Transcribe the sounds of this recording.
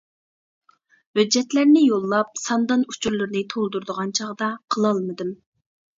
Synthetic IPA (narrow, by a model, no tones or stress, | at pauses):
hød͡ʒːɛt̪læɾnɪjolˠːɑp̚sɑnd̪ɑnut͡ʃʰuɾlˠɨɾnɨt̪ʰolˠd̪uɾd̪əʁɑnt͡ʃʰɑʁd̪ɑqʰəlˠɑlˠmɨd̪ɨm